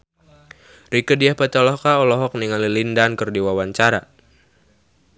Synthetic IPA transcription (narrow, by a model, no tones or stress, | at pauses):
ɾikədiahpət̪ɔlɔhkaɔlɔɦɔk̚niŋalilindankɨrdiwawaɲt͡ʃaɾa̰